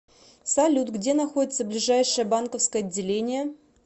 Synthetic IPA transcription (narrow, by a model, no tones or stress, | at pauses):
salʲut̪ɡdʲe̞naxo̞dʲɪt̪səblʲɪʐajʂəbankəfskəjɐdʲːelʲenʲɪje